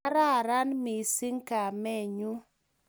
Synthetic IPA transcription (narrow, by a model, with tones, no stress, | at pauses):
ɾa˦˨ɾa˦nmi˨si˦ŋka˨mɛ˦˨ɲu˦